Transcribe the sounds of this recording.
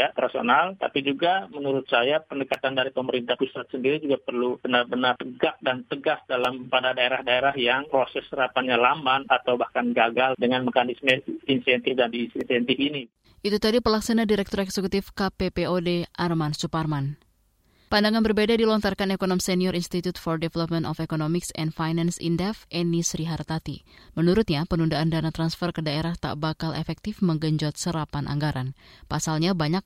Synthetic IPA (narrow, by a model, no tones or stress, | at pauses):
jaɾaso̰nalt̪a̰pid͡ʒuɡamənuɾʊt̪̚sajapəndəkat̪andaɾipəməɾint̪ahusat̪̚səndiɾid͡ʒuɡapərlub̥ənarbənart̪əɡak̚dant̪əɡasdalampadadaeɾahdaeɾahjaŋpɾosɛsrapaɲalamanat̪awbahkanɡaɡaldəŋanməkanismɲainsɛnt̪ɪfdandisinsɛnt̪ɪfini | ʔit̪ut̪adipərlaksanadiɾɛk̚t̪ɔɾɛksəkut̪ifkapepeodeʔarmansuparman | pandaŋanbərbedadilɔnt̪arkanekonɔmsɛniɔɾʔinst̪it̪ut̪fɔrdɛvɛlɔp̚mənt̪ɔfekonɔmiksɛ̰ndfajnansḭndɛfʔɛnisɾiɦart̪at̪imənuɾʊt̪̚ɲapənundaʔandanat̪ɾansfərkədaeɾaht̪a̰ʔbakalʔḛfɛk̚t̪ɪfməŋɡəɲd͡ʒɔt̪̚səɾapanʔa̰ŋɡaɾʔanpasalɲabaɲak̚